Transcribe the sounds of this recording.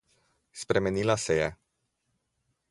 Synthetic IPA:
spɾemenilaseja

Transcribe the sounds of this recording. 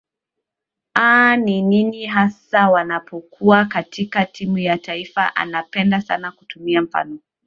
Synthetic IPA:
anininiɦasawanapʰɔkʰuakatʰikatʰimujataifa̰ʔa̰napɛndasa̰nakutumiam̩fa̰nɔ

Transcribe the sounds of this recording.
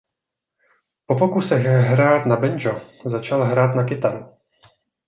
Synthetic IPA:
po̞pokusɛɣɦɾaːt̪nabɛnd͡ʒozat͡ʃalɦɾaːt̪nakɪt̪aɾ

